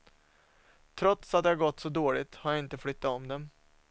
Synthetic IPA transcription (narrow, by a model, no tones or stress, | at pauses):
t̪ʰɾɔt̪sat̪̚d̪ɛhaɾɡɔt̪ːsɔd̪oːɭɪt̪haɾjaɪnt̪əfɽʏt̪ːaɔmd̪ɛm